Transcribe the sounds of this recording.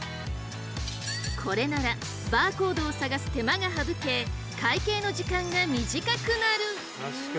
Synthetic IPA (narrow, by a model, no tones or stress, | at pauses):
kʰo̞ɾe̞naɾa | baːko̞ːd̪o̞ːsaɡasɨ̥t̪e̞maɡaɦabɯ̟ke̞ː | kʰaike̞ːno̞ʑikãŋɡamʲiʑikakɯ̟naɾɯ̟